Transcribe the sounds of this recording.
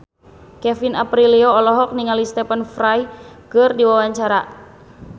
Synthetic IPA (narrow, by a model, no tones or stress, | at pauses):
kɛfinapɾiliɔːlɔɦɔk̚niŋalist̪ɛpənfɾajkɨrdiwawaɲt͡ʃaɾa